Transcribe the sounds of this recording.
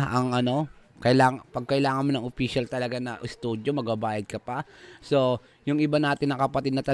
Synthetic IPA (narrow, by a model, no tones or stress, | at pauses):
ɐŋʔɐno̞kɐlaːŋpɐɡ̚kɐʔɪlaːŋɐnmonɐŋopiːʃɐlt̪ɐlɐɡanɐʔɪst̪uːd̪jomɐɡ̚babaːjɐd̪̚kɐpɐso̞ | jʊŋʔɪbanaːt̪ɪnːɐkɐpɐt̪ɪd̪̚nɐt̪ɐ